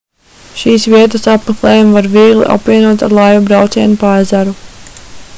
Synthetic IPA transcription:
ʃiːsviɛt̪əsapmeklˠɛːjumvaɾviːɡlˠḭʔa̰pviɛnuɔt̪a̰ɾlˠajubɾawt̪siɛnupajzaɾu

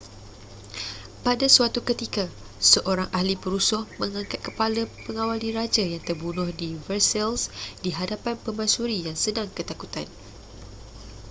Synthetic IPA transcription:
padasuat̪ukət̪ika | səʔoɾaŋʔahlipəɾusʊhmə̃ŋãŋkat̪̚kəpalapəŋawaliɾad͡ʒajaŋt̪ərbunʊhdivərsɛlsdiɦadapanpəmãsuɾijaŋsədaŋkət̪akut̪an

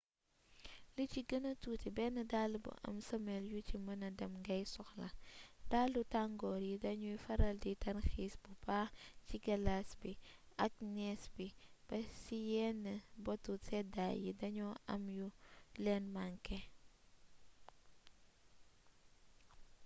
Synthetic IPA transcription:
liciɡənɐtuːtibɛnːɐdalubṵʔɐ̰msɐmɛljucimɐnɐdɐmŋɡɐjsɔxlɐd̥alːutaŋɡɔːɾjidɐɲujfɐɾɐlditɐnxiːsbubaːciɡɐlasbiɐk̚nɛsbib̥ɐsijɛnːəbɔtutɛdajidɐɲɔɐ̰mjulɛnmaŋkɛ

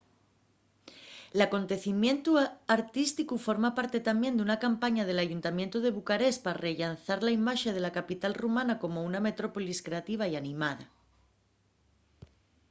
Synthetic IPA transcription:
lako̞nt̪e̞θimjẽ̞nt̪uaɾt̪ist̪ikufo̞ɾmapaɾt̪e̞t̪ambje̞nd̪unakampaɲað̞e̞laʝunt̪amjent̪uð̞e̞βukaɾe̞spare̞ʎanθaɾlaimaʃeð̞e̞lakapit̪alrumãnako̞mouname̞t̪ɾo̞poliskɾe̞at̪iβ̞aianĩmað̞a̰

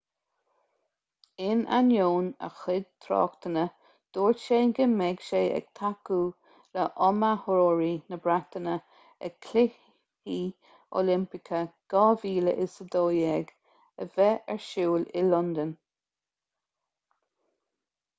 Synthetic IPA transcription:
ɪna̰njoːnə̰xɪd̪̚t̪ʰɾɑ̰ːkt̪ənə | d̪̥oːɹʃeːɡəmɛɡʃeːʔɛ̰ɡ̥̚t̪ʰaku | ləʔɔmahʊɾoːɹinəbɾak̚t̪ənə | ɛ̰kʰlɪ | i | o̰lɪmpɪkʰəɡ̥ɑːviːlə̰ʔɪsəd̪oːjɛɡ | əvɛɛɹʃuːlɪlɔnd̪ən

